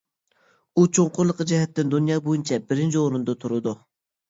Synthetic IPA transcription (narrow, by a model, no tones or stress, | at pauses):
ut͡ʃʰoŋqʊɾlˠəqʰəd͡ʒɛɦɛt̪ːɪnd̪unjɑːbojunt͡ʃʰɛbɪɾɪnt͡ʃʰioɾund̪ɑt̪ʰuɾɨd̪u